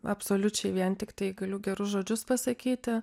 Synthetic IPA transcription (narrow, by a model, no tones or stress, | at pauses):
ɐpsoːlʲʊt͡ʃʲɛɪʋʲiɛnt̪ʲɪkt̪ɐɪɡɐlʲʊɡʲɛɾʊsʒoːd͡ʒʲʊspɐsɐkʲiːt̪ʲɪ